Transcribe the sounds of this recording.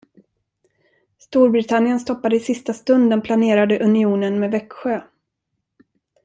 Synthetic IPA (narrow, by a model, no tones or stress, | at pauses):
st̪uːɾbɾɪt̪ʰanːjənst̪ɔpːad̪əɪsɪst̪ast̪ɵnd̪ənpʰlaneːɾad̪əʔɵnɪuːnənmeːvɛkɧøː